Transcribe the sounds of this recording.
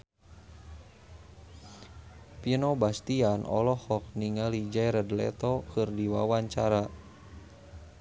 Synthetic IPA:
pinɔbast̪ianɔ̰lɔhɔk̚niŋalid͡ʒajɾədlɛ̰t̪ɔkɨrdiwawaɲt͡ʃaɾa

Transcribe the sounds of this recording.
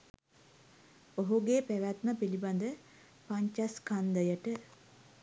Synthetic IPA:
oɦuɡeːpæʋæt̪nəpiliband̪ə | paɲt͡ʃaskand̪əjəʈə

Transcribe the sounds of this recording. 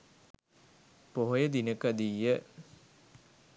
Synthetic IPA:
poɦojəd̪inəkəd̪iːjə

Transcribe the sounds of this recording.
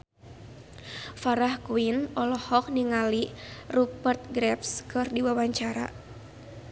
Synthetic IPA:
faɾahkuinɔlɔhɔk̚niŋalirupərt̪̚ɡɾɛpskɨrdiwawaɲt͡ʃaɾa̰

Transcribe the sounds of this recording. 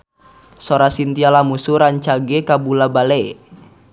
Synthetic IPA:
sɔɾasint̪ialamusuɾaɲt͡ʃaɡɛkabulabalɛ

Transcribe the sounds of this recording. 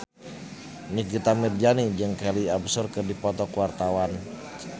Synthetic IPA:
nikit̪amird͡ʒanid͡ʒɨŋkaliabsʊrkɨrdipɔt̪ɔkuwart̪awan

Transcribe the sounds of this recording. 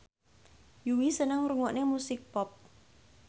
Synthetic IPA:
juwisənəŋruŋɔʔnemusɪk̚pɔp̚

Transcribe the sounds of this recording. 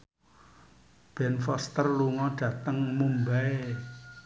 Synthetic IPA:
b̥ɛnfɔst̪ərluŋɔɖ̥ä̤t̪əŋmumbae

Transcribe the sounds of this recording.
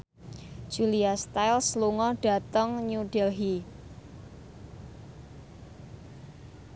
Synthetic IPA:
ʒ̥uliast̪ajlsluŋɔɖ̥a̤t̪əŋɲuɖ̥ɛlɦi

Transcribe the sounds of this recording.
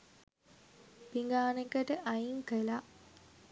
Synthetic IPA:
piŋɡaːnekəʈəʔajiŋkəla

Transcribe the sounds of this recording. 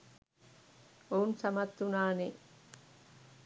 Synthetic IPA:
ounsamat̪ːunaːne

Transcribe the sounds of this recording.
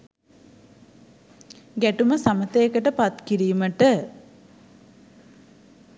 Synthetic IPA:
ɡæʈuməsamət̪əjekəʈəpat̪kiɾiːməʈə

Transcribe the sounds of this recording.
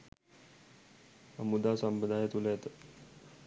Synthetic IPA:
əmud̪asəmpəd̪ʱajet̪ulet̪ə

